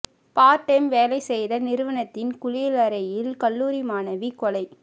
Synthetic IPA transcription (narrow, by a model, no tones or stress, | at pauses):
paːʈːemʋeːlɐɪsɛjðɐnɪɾɯʋɐnɐt̪ːɪnkʊɻɪjlɐɾɐjɪlkɐlːuːɾimaːnɐʋikɔlɐɪ